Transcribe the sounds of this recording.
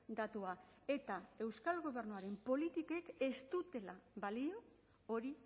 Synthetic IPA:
d̪at̪ua | e̞t̪ae̞wskalɣo̞β̞e̞rnuaɾe̞mpo̞lit̪ike̞ke̞st̪ut̪e̞laβalio | o̞ɾi

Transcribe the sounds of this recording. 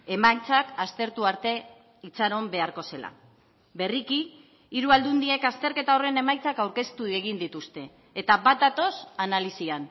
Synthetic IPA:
e̞majt͡sakast̪e̞ɾt̪uaɾt̪e̞ | it͡saɾo̞mbe̞aɾko̞se̞la̰ | be̞riki | iɾuald̪und̪ie̞kast̪e̞ɾke̞t̪ao̞re̞ne̞majt͡sakawɾke̞st̪ue̞ɣind̪it̪ust̪e̞ː | t̪aβat̪̚d̪at̪o̞sanalisian

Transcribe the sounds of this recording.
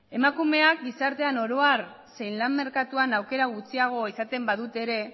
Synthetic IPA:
e̞makume̞ak̚ɡisaɾt̪e̞ano̞ɾo̞arse̞jnlamme̞ɾkat̪uanawke̞ɾaɣ̞ut͡siaɣ̞o̞isat̪e̞mbaðut̪e̞ɾe̞

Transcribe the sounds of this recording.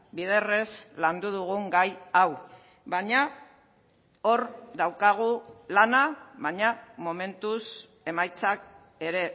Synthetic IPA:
bið̞ere̞sland̪uð̞uɣ̞uŋɡajaw | βaɲa | o̞ɾd̪awkaɣ̞ulanaβaɲamo̞me̞nt̪us | e̞majt͡sak̚ | e̞ɾe̞

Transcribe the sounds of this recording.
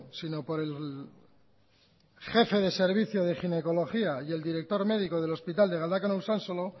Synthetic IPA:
sino̞po̞ɾe̞l | χe̞feðe̞se̞ɾβ̞iθjoð̞e̞χine̞ko̞lo̞xiaje̞ld̪iɾe̞k̚t̪o̞ɾme̞ðiko̞ð̞e̞lo̞spit̪ald̪e̞ɣ̞ald̪akonowsansolo

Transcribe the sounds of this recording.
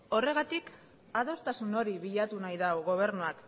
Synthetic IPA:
o̞re̞ɣat̪ik | aðo̞st̪asuno̞ɾiβiʎat̪unajðawɣ̞o̞β̞e̞ɾnuak

